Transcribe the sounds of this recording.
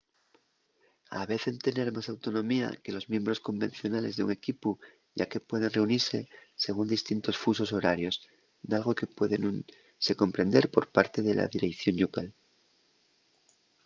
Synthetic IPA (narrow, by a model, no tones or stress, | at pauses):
a̰βe̞θent̪e̞ne̞ɾmasawt̪o̞nõ̞mia̰ke̞lo̞zmje̞mbɾo̞sko̞mbẽ̞n̟θjo̞nale̞zðeuŋe̞kipu | ʝake̞pwe̞ð̞e̞nre̞uniɾse̞se̞ɣ̞und̪ist̪int̪o̞sfuso̞so̞ɾaɾjo̞s | d̪alɣo̞ke̞pwe̞ðenun | se̞ko̞mpɾe̞nd̪e̞ɾpo̞ɾpaɾt̪e̞ðelʔa̰ðiɾekθjo̞njukal